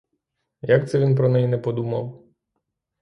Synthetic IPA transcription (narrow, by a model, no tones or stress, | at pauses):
jakt̪sɛʋʲinp̬ɾɔnɛjnɛpɔd̪umɐ̰w